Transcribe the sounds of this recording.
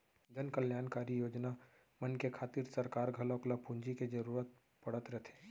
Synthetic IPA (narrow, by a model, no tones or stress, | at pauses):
d͡ʒɐnkɐljaːnkaːɾijoːd͡ʒna | mɐnkekʰaːt̪iɾsɐɾkaːɾɡʱɐloklapũɲd͡ʒiked͡ʒɐɾuːɾət̪̚ | pɐɽət̪ɾɛt̪ʰe̥ː